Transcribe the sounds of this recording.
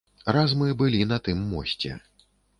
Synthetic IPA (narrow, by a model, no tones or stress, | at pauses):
ɾazmɨbɨlʲinɐt̪ɨmːɔ̰sʲt͡sʲɛ̰